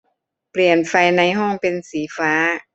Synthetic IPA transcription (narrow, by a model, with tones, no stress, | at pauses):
pli˨˩ənfa˧jna˧jɦɔː˥˩ŋpe˧nsiː˩˦faː˦˥